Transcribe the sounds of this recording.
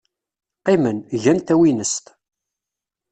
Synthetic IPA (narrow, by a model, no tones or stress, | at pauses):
qimənʝænt̪æwinəst̪